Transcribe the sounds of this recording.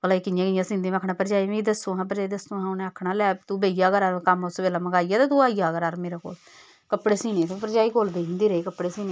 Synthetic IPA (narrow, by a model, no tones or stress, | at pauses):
kəlaːikɪjãːkɪjãːsĩnd̪ĩːakʰɳaːpəɾd͡ʒaːiːʋĩd̪əsõːɦãːp̬əɾaːid̪əsõːɦãːʊnẽːəkʰɳaːlɛːt̪ũːbeːijaːkəɾaːɾkəmʊsbeːlaːməɡaːijaːt̪eːt̪ũːaːijaːɡəɾaːɾmeːɾaːko̰ːl | kəpɽeːsiːneːt̪epəɾd͡ʒaːiːkoːld̪eːɦɪ̃nd̪iːɾəiːkəpɽeːsiːneː